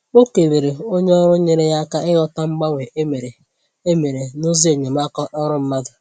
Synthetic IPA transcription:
o˦ke˨be˨ɾe˨o˦ɲe˦ɔ˦ɾʊ˦ɲe˦ɾe˦ja˦ka˦ɪ˦ɣɔ˦ta˦ŋ͡m̩˦ɡ͡ba˦wʷe˨ʔe˦me˨ɾe˨ | e˦me˨ɾe˨nʊ˦zi˦e˨ɲe˨m̩˦a˦kɔ˦ʔɔ˦ɾʊ˦m̩˦ma˦dʊ˨

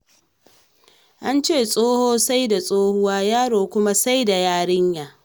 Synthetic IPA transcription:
ʔa˦nt͡ʃeː˦˨sʼoː˦hoː˦sa˦jda˨sʼoː˦hʊ˦waː˦jaː˦ɽoː˨kʷʊ˦ma˦sa˦jda˨jaː˦ɽɪ˦ɲjaː˨

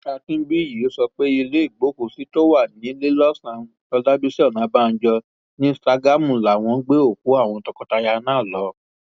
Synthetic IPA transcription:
ka˧tĩ˦bi˦˨ji˨o˦sɔ˧k͡pe˦i˧le˦i˦˨ɡ͡bo˨˦ku˨si˦to˦wa˦˨nĩ˨˦le˦lɔ˦sã˧ | ɔ˧da˦bi˦si˦ɔ˦˨nã˨˦ba˦˧n̩˦d͡ʒɔ˧ | nĩ˦sta˧ɡa˦˨mũ˨la˨w̃ɔ̃˧˦ɡ͡be˦o˦˨ku˨˦a˦˨w̃ɔ̃˧tɔ˧kɔ˨˧ta˧ja˧nãː˦˨lɔ˨˦

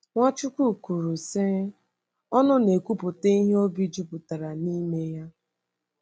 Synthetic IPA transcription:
ŋʷa˦t͡ʃu˦kʷu˦˨ku˨ɾu˨se˦ | ɔ˦nʊ˦ne˨kʷu˦pʊ˨te˦i˦ɦe˦o˦bi˦d͡ʒu˦pʊ˨ta˨ɾa˨ni˦me˦ja˦

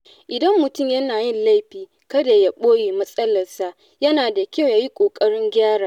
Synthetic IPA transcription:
ʔɪ˨dɐ˦mːʊ˨tʊ˦˨mjɐ˦naː˨jɪ˦nla˦jɸiː˨ | kɐ˦da˨ja˦ɓoː˦jeː˨mɐ˦sʼɐ˦lɐ˨rsa˨ʔ | jɐ˦naː˨da˨kʲa˦˨wjaː˦ji˦kʷʼoː˨kʼɐ˦ɽɪ˦ŋɡʲaː˦ɽaː˨

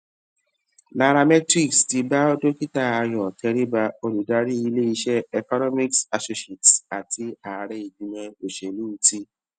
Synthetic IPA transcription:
la˧ɾa˧mɛ˦tɾi˦˨ksti˧ba˦o˦do˦ki˦ta˦˨a˧jɔ˨tʰɛ˧ɾi˦ba˧o˧lu˨da˧˦ɾi˦i˧le˦i˧ʃɛ˦ɛ˦˨kɔ˦nɔ˦mi˦ksa˧so˦ʃe˨ta˨ti˧a˨ɾɛ˦i˨dũ˨˦mɛ̃˧o˨ʃɛ˨lũ˦˧˦ti˦

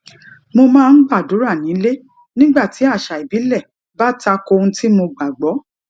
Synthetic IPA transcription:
mo˧mãː˦˧n̩˦ɡ͡ba˦˨do˨˦ɾa˦˨nĩ˨˦le˦ | nĩ˦ɡ͡ba˦˨ti˨˦a˦˨ʃa˨i˨bi˨˦lɛ˦˨ | ba˦ta˧ko˧ũ˧ti˦mo˧ɡ͡ba˨ɡ͡bɔ˨˦

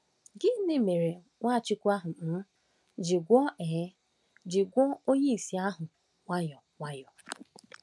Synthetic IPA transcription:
ɡɪ˦nɪ˦me˨ɾe˨ | ŋʷa˦˨t͡ʃɪ˦kʷu˦a˦ɦʊ˨n̩˦ | d͡ʒɪ˨ɡʷɔ˦e˨˦ | d͡ʒɪ˨ɡʷɔ˦o˦ɲe˦i˨si˨a˦ɦʊ˨ | ŋʷa˦jɔ˨ŋʷa˦jɔ˨

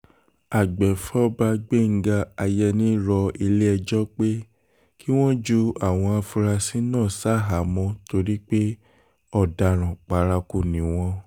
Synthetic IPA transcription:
a˨ɡ͡bɛ˨fɔ˦ba˧ɡ͡be˦˨ŋ̩˦ɡa˧a˧jɛ˧nĩ˦ɾɔ˧i˧le˦ɛ˧d͡ʒɔ˦k͡pe˦ | kʰi˦w̃ɔ̃˦d͡ʒu˧a˨w̃ɔ̃˧a˧fu˧ɾa˧si˨˦nãː˦˨sa˦˨ɦa˨˦mɔ̃˧to˧ɾi˦k͡pe˦ | ɔ˦˨da˨ɾ̃ã˨k͡pa˨˧˦ɾa˧ku˨nĩ˨˦w̃ɔ̃˧

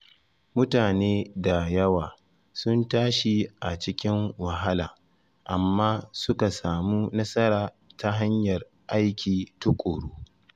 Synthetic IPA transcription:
mʊ˦taː˨neː˦da˨jɐ˦waː˨ | sʊ˦ntaː˦ʃi˨ʔa˨t͡ʃɪ˦kʲɪ˦ŋwɐ˨ɦa˦laː˨ | ʔa˨mːaː˦sʊ˦ka˨saː˨muː˦nɐ˦sɐ˦ɾaː˨ | tʰa˦ɦa˦ɲjɐ˨r | ʔa˦jkʲiː˨tu˦kʷʼoː˨ɽuː˦

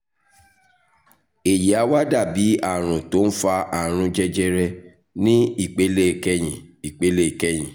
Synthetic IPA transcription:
e˨je˨a˧˦wa˦da˦˨bi˨˦a˦˨ɾ̃ũ˨to˨˦n̩˦fa˧ʔa˦˨ɾ̃ũ˧d͡ʒɛ˦d͡ʒɛ˦ɾɛ˧ | nĩ˦i˦˨k͡pe˨˦le˦˨kɛ˦j̃ĩ˨i˨k͡pe˨˦le˦˨kɛ˦˨j̃ĩ˨

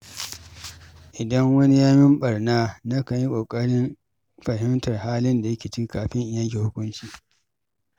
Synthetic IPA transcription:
ʔɪ˨dɐ˦ŋwɐ˦ni˦jaː˦mɪ˦mɓɐ˨rnaː˦nɐ˦ka˨ji˦kʷʼoː˨kʼɐ˦ɽɪ˦m | ɸɐ˨hɪ˦mtɐ˨rhaː˦lɪ˦nda˨jɐ˦kʲe˨t͡ʃi˦kaː˨ɸɪ˦ɲʔjɐ˦kʲe˨hʊ˦kʷʊ˦nt͡ʃiː˨

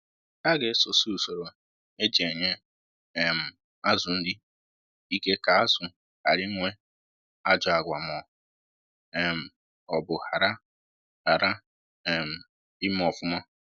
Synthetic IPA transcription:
ta˦ɡe˨˦so˨su˦˨so˨ɾo˨ | e˦d͡ʒe˨ɲe˦˨ | m̩˨ | a˦zʊ˨n̩˦dɪ˦ | i˦ke˦ka˨a˦zʊ˨ | ha˨ɾɪ˦ŋʷe˦ | a˦d͡ʒɔ˨a˨ɡʷa˨mɔ˨ | m̩˨ | ɔ˨bʊ˨ha˨ɾa˦ | ha˨ɾa˦˨ | m̩˨ | ɪ˦m˦ɔ˨fʊ˦ma˦

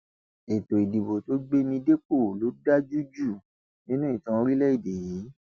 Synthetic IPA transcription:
e˨to˨i˨di˨bo˨to˦ɡ͡be˦mĩ˧de˦k͡po˦˨lo˨˦da˦d͡ʒu˦d͡ʒu˦˨ | nĩ˦nũ˦i˦˨tã˨˧˦ɾi˦lɛ˦i˦˨de˨ji˨˦

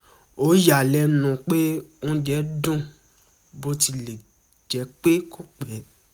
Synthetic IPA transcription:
o˨˦ja˨lɛ˧˦nũ˨k͡pe˦ũ˦d͡ʒɛ˨˦dũ˦ | bo˧˦ti˧le˨ | d͡ʒɛ˨˦k͡pe˦ko˦k͡pɛ˨˦

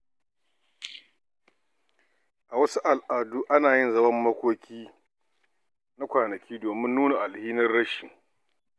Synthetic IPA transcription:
ʔa˨wɐ˦su˦ʔa˨lʔaː˨duː˦ʔa˦naː˨jɪ˦nzɐ˦mɐ˦mːɐ˦kʷoː˦kʲiː˦ | na˦kʷaː˨nɐ˨kʲiː˦doː˨mɪ˦nːuː˦na˨ʔa˨lhiː˦nɐ˦rɽɐ˦ʃɪ˨ŋ

